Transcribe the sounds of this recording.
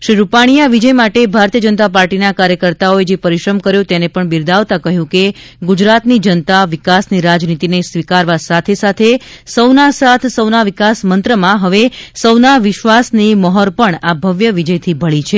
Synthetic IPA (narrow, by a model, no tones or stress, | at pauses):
ʃɾiɾupaɽ̃ijaʋid͡ʒəjmaʈebʱaɾt̪ijəd͡ʒənt̪apaɾʈinakaɾjəkəɾt̪aoed͡ʒepəɾiʃɾəmkəɾjõt̪enepəɳbiɾd̪ʱaʋt̪akəɦjũke | ɡud͡ʒɾat̪nid͡ʒənət̪aʋɪkasniɾad͡ʒnit̪inesʋikaɾʋasat̪ʰesat̪ʰesəwnasat̪ʰsəwnaʋɪkasmənt̪ɾəmãɦəʋesəwnaʋɪʃʋasniməɦɔɾpəɳabʱəʋjəʋid͡ʒəjt̪ʰibʱəɭit͡ʃʰe